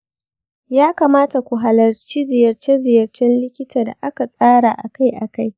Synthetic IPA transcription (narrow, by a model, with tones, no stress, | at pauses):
jaː˦kaː˨maː˦ta˨kʷu˨ɦa˨lɐ˨rt͡ʃi˦zɪ˨jɐ˨rt͡ʃe˦zɪ˨jɐ˨rt͡ʃɛ˦nlɪ˦kʲɪ˦taː˨da̰˨ʔa˦ka˨sʼaː˦ɽa˨ʔa˨ka˦jʔa˨ka˦j